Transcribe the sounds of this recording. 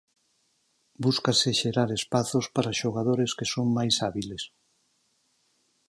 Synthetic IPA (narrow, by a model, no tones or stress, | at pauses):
buskaseʃeɾaɾespaθospaɾaʃoɣ̞aðoɾeskesoŋmajsaβiles